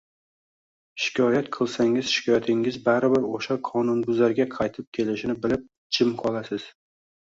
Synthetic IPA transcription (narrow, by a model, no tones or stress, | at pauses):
ʃɪ̥kʲʰɒjat̪qʰɨlˠsaŋɪzʃɪ̥kʰʲɒjat̪ʰɪŋɪzbaɾɪbɪɾoʃaqʰɒnʊnbʊzaɾɡʲaqʰɑjt̪ʰɪp̚kʲʰe̞lɪʃɪnɪbɪlɪp̚ | t͡ʃʰɪmqʰɒlˠasɪz̥